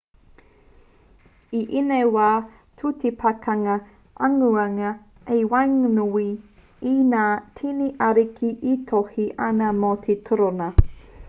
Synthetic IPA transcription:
iʔinewaː | tʰutipʰakʰɐŋɐ | ʔɐŋuɐŋɐ | ewajŋnuwi | inaːtʰiniʔaɾikʰiʔitʰohiʔɐnɐmot̪ʰetʰəɾonɐ

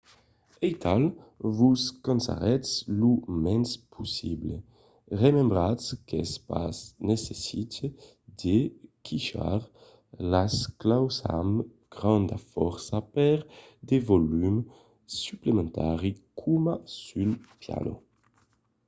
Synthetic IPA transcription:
ejt̪ʰalvuskonsa̰ʁɛslumɛnspʰusible | ʁemẽmbʁaskespa̰snesesit̪e | d̪ekʰiʃa̰ɾ | lasklawsa̰m | ɡ̥ʁɑ̃nd̪afɔɾsapɛɾ | d̪evolym | syplemẽnt̪ʰaʁikʰumasylpja̰lo̰

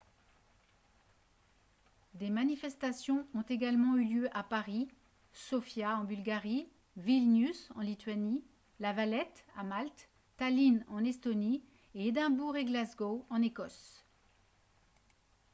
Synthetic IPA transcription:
d̪emanifɛst̪asjɔ̃ɔ̃t̪eɡalmɑ̃yljøʔapaʁi | sɔfjaɑ̃bylɡaʁi | vilnysɑ̰̃lit̪ɥani | lavalɛt̪a̰malt̪ː | alinɑ̃nɛst̪ɔni | eed̪ɛ̃buʁeɡlazɡoɑ̃nekɔs

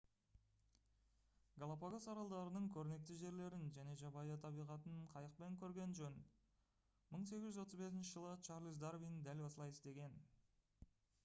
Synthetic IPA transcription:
ɡolˠapoɡasɑɾɑlˠd̪ɑɾənəɴkʲʰɵɾɪne̞k̚t̪ɪʒe̞ɾle̞ɾɪnʒæne̞ʒɑbɑjɑt̪ʰɑbijʁɑt̪ənɴqʰɑjəq̚pe̞ŋkʲʰɵɾɡʲe̞nʒɵn | məɴs̬e̞ɡʲɪʒʏzwo̞t̪əzbe̞s̬ɪnʃɪʒəlˠət͡ʃʰɑɾlʲˠis̬d̪arvijnd̪ælɑsəlˠɑjɪst̪e̞ɡʲe̞n

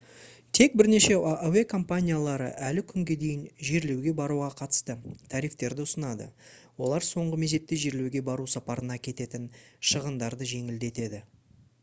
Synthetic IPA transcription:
t̪ʰe̞k̚bɪɾne̞ʃe̞owe̞kʰo̞mpanʲijalˠɑɾə̰ʔælɪkʲʰʏŋɡʲe̞d̪e̞jɪnʒe̞ɾle̞wɡʲe̞bɑɾuʁɑqʰɑt̪ə̥st̪ət̪ʰɑɾijft̪e̞ɾd̪ɪʊsənɑd̪ə̰wo̞̰lˠɑɾso̞ɴʁəme̞ze̞t̪ːeʒe̞ɾle̞wɡʲe̞bɑɾusɑpɑɾənɑkʲʰe̞t̪e̞t̪ɪnʃəʁənd̪ɑɾd̪əʒe̞ŋɪld̪e̞t̪e̞d̪ɪ

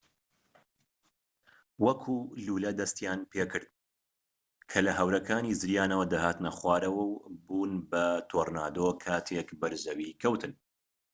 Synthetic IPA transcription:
wɐkʰuːluːlɐd̪ɐst̪jaːnpʰeːkɨɾd̪̚ | kʰɐlɐɦɐwɾɐkʰaːniːzɨɾjaːnɐwɐd̪aɦaːt̪nɐχwaːɾɐwɐwbuːnbɐt̪ʰoːrna̰ːd̪okʰaːt̪ʰekbɐɾzɐwikʰɐwt̪ʰɨn

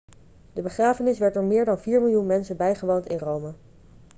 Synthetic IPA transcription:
dəbəχraːfənɪsʋɛɹtdʊːɹmɪːɹdɑnviːɹmɪlˠjunmɛnsəbɛjχəʋowntɪnrowmə

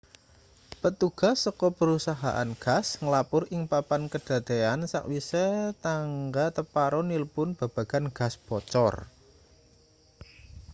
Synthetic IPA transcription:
pət̪uɡ̥a̤sːɔkɔpəɾusaɦa̰ʔa̰nɡ̥a̤sŋəlapʊɾɪŋpapankəd̥a̤t̪eansa̰kwisɛt̪aŋɡat̪əpaɾɔniləpʊnb̥a̤b̥ä̤ɡ̥a̤nɡ̥a̤sb̥ɔt͡ʃɔ̰r

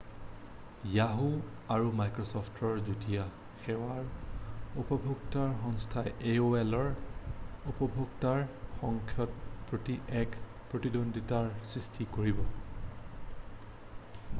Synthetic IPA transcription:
jaɦu | aɹumajkɹɔsɔpʰtʰɔɹzodija | xɛwaɹ | upɔbʱuɡtaɹxɔŋstʰaʔeoɛlɔɹ | upɔbʱuɡtaɹxɔŋkʰjɔtpɹotiʔɛk | pɹotidondʱitaɹsɹistʰikoɹibɔ

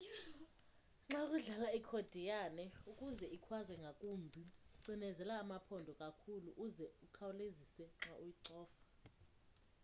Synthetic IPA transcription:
ŋ͡ǁakʼuɮalaikʰod̥ʱijanɛukʼuzɛikʰwazɛŋɡʱakʼumbʱiǀinɛzɛlaːmapʰɔndʱɔkʼakʰuluʔːzɛukʰawulezisɛŋ͡ǁaʔujiǀɔːfḁ

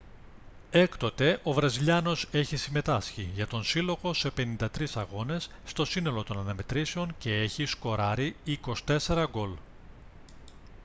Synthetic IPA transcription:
e̞kt̪o̞t̪e̞ʔo̞vɾɐziʎɐno̞se̞çisime̞t̪ɐsçiʝɐt̪o̞nsilo̞ɣo̞se̞pe̞nind̪ɐt̪ɾisɐɣo̞ne̞sːt̪o̞sino̞lo̞t̪o̞nɐnɐme̞t̪ɾiseo̞nce̞eçisko̞ɾɐɾiiko̞si̥t̪e̞se̞ɾɐɡo̞l

